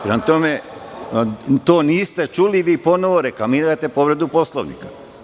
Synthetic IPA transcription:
pɾemat̪ome | t̪oːniːst̪e̞t͡ʃuliʋiːpo̞noʋoɾekamid̪at̪e̞poʋɾed̪upo̞slˠoʋnḭkḁ

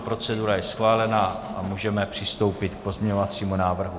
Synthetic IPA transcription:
pɾo̞t͡sɛduɾajɛsxvaːlɛnaʔamuːʒɛmɛpr̥ɪst̪o̞wpɪt̪k̚po̞zmɲɛɲovat͡siːmunaːvr̩ɦu

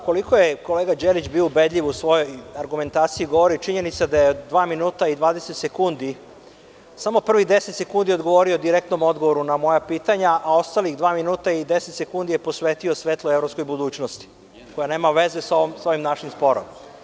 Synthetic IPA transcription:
ko̞likojeko̞leɡad͡ʒelit͡ɕbioubed̪ʎʲiʋusʋo̞jo̞jaɾɡume̞nt̪aːt̪siiɡo̞ʋoɾit͡ʃiɲe̞nit̪sad̪ajeod̪ːʋaːminuːt̪aid̪ʋaːd̪eset̪se̞kund̪i | samo̞pr̩ʋid̪e̞set̪se̞kund̪io̞d̪ɡo̞ʋo̞ɾiod̪iɾek̚t̪no̞mo̞d̪ɡoʋo̞ɾunamo̞japiːt̪aɲaʔao̞st̪aliɣd̪ʋaːminuːt̪aid̪eset̪sekund̪ijepo̞sʋet̪io̞sʋeːt̪lˠoevɾo̞psko̞jbud̪uːt͡ɕnost̪i̥ | ko̞jane̞ːmaʋe̞zesoʋomso̞ʋimnaʃimspo̞ɾo̰m

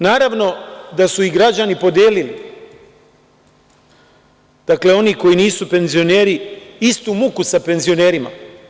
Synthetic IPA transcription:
naːɾaʋno̞d̪asuiɡɾad͡ʑanipo̞d̪jeːlilḭ | d̪̥akle̞o̞niko̞jiniːsupe̞nzio̞neːɾiist̪umukusape̞nzijo̞ne̞ːɾima̰

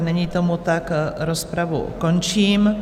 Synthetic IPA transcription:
nɛɲiːt̪omut̪akɾospɾavṵkont͡ʃiːm

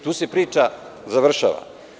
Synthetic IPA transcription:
t̪uːse̞pɾiːt͡ʃazaʋr̩ʃa̰ːʋa̰

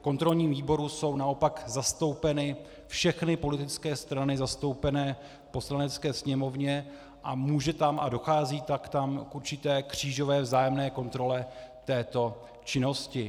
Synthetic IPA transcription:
ko̞nt̪ɾo̞lɲiːmviːbo̞ɾuso̞wnao̞pakzast̪o̞wpɛnɪ | fʃɛxnɪpo̞lɪt̪ɪt͡skɛːst̪ɾanɪzast̪o̞wpɛnɛː | po̞slanɛt͡skɛːsɲɛmo̞vɲɛ | ʔa̰muːʒɛt̪amʔa̰do̞xaːziːt̪akt̪amkʔuɾt͡ʃɪt̪ɛːkr̝̥iːʒo̞vɛːvzaːjɛmnɛːko̞nt̪ɾo̞lɛt̪ɛːt̪o̞ | t͡ʃɪno̞scɪ

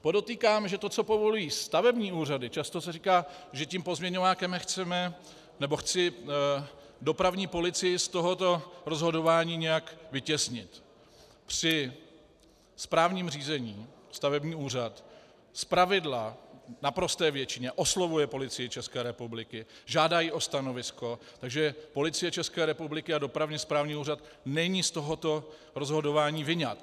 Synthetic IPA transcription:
po̞do̞t̪iːkaːmʒɛt̪ot͡sopo̞vo̞lujiːst̪avɛbɲiːuːradɪt͡ʃast̪o̞sɛriːkaːʒɛcimpo̞zmɲɛɲovaːkɛmɛxt͡sɛmɛ | nɛbo̞xt͡sɪ | do̞pɾavɲiːpo̞lɪt͡sɪjɪst̪o̞ɦo̞t̪o̞ɾo̞zɦo̞do̞vaːɲiːɲɛjakvɪcɛsɲɪt̪ | pr̝̥ɪ | spɾaːvɲiːmr̝iːzɛɲiːst̪avɛbɲiːuːr̝at̪ | spɾavɪdlanapɾo̞st̪ɛːvjɛt͡ʃɪɲɛʔo̞slo̞vujɛpo̞lɪt͡sɪjɪt͡ʃɛskɛːɾɛpublɪkɪʒaːdajiʔo̞st̪ano̞vɪsko̞t̪aɡʒɛpo̞lɪt͡sɪjɛt͡ʃɛskɛːɾɛpublɪkɪado̞pɾavɲɛspɾaːvɲiːuːrat̪ | nɛɲiːst̪o̞ɦo̞t̪o̞ | ɾo̞zɦo̞do̞vaːɲiːvɪɲat̪

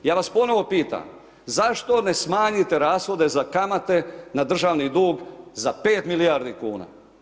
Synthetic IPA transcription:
jaːʋaspo̞no̞ʋo̞piːt̪a̰m | zaʃt̪o̞ne̞smaːɲit̪e̞ɾaːsxo̞d̪ezakamat̪e̞nad̪r̩ʒaːʋnid̪uːɡzape̞ːt̪milijaːɾd̪ikuːna̰ː

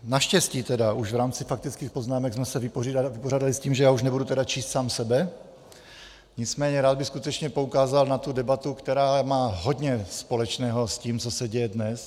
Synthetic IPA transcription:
naʃcɛsciːt̪ɛdaʔuʒvɾaːmt͡sɪfak̚t̪ɪt͡skiːxpo̞znaːmɛɡsmɛsɛvɪpoivɪpoɾaːdalɪsciːmʒɛjaːuʃnɛbudut̪ɛdat͡ʃiːst̪saːmsɛbɛ | ɲɪt͡smɛːɲɛɾaːd̪bɪxskut̪ɛt͡ʃɲɛpo̞ukaːzalnat̪udɛbat̪ukt̪ɛɾaːmaːɦo̞d̪ɲɛspo̞lɛt͡ʃnɛːɦosciːmt͡so̞sɛɟɛjɛdnɛs

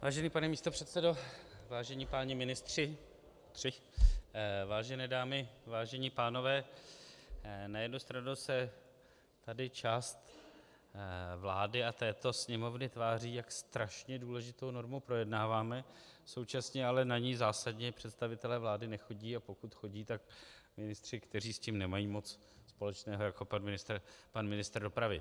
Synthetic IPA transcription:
vaːʒɛniːpanɛmiːst̪o̞pr̝̥ɛt̪sɛdo̞vaːʒɛɲiːpaːɲɪmɪnɪst̪r̝̥ɪ | t̪r̥ɪ | vaːʒɛnɛːdaːmɪvaːʒɛɲiːpaːno̞vɛː | najɛdnust̪ɾanusɛ | t̪adɪt͡ʃaːst̪ | vlaːdɪat̪ɛːt̪o̞sɲɛmo̞vnɪt̪vaːriːjakst̪ɾaʃɲɛduːlɛʒɪt̪o̞wno̞ɾmupɾo̞jɛdnaːvaːmɛso̞wt͡ʃasɲɛalɛnaɲiːzaːsadɲɛpr̝̥ɛt̪st̪avɪt̪ɛlɛːvlaːdɪnɛxo̞ɟiːapo̞kut̪xo̞ɟiːt̪akmɪnɪst̪r̝̥ɪkt̪ɛr̝iːsciːmnɛmajiːmo̞t͡s | spo̞lɛt͡ʃnɛːɦo̞jako̞panmɪnɪst̪rpanmɪnɪst̪rdo̞pɾavɪ

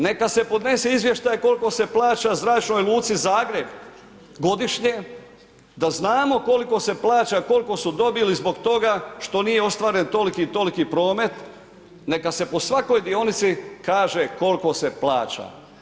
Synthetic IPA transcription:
ne̞kase̞pod̪ne̞seizʋje̞ʃt̪ajeko̞lko̞se̞plˠaːt͡ʃazɾaːt͡ʃno̞jlˠuːt̪sizaːɡɾe̞b | ɡo̞d̪iʃɲe | d̪aznaːmo̞ko̞liko̞se̞plˠaːt͡ʃako̞liko̞sud̪o̞bilizbo̞ɡt̪o̞ɡaʃt̪o̞nijeo̞st̪ʋaːɾe̞nt̪o̞likit̪o̞likipɾo̞ːme̞t̪ | ne̞kase̞po̞sʋako̞jd̪io̞nit̪sikaːʒe̞ko̞lko̞se̞plˠa̰ːt͡ʃa̰

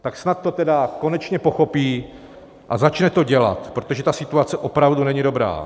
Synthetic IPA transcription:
t̪aksnat̪ːo̞t̪ɛdako̞nɛt͡ʃɲɛpo̞xo̞piː | ʔazat͡ʃnɛt̪o̞ɟɛla̰t̪pɾot̪o̞ʒɛt̪asɪt̪uat͡sɛʔo̞pɾavdunɛɲɪdo̞bɾa̰ː

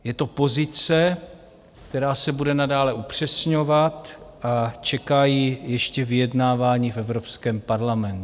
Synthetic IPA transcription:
jɛt̪o̞po̞zɪt͡sɛ | kt̪ɛɾaːsɛbudɛnadaːlɛupr̝̥ɛsɲo̞vat̪ʔat͡ʃɛkajiːjɛʃcɛvɪjɛdnaːvaːɲiːfʔɛvɾo̞pskɛːmpaɾlamɛnt̪u

